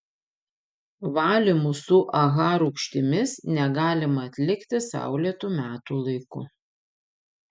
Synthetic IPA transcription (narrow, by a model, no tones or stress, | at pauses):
ʋɑːlʲɪmusʊʔɐɣɑːɾʊʊkʃʲt̪ʲɪmʲɪsnʲɛɡɑːlʲɪmɐɐt̪ʲlʲɪkt̪ʲɪsɑ̰ˑʊlʲiɛt̪uːmʲæːt̪uːlˠɐɪkʊ̰